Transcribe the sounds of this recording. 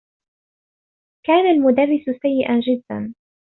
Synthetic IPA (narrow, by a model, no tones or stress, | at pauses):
kaːnalmʊd̪arːɪsʊsajːɪʔand͡ʒɪd̪ːa̰n